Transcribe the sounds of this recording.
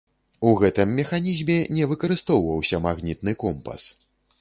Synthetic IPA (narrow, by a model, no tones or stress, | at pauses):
uɣɛt̪ɨmːʲɛxanʲizʲmʲɛnʲɛvɨkɐɾɨst̪ɔwvɐwsʲɐmaɣnʲit̪̚nɨkɔmpɐ̰s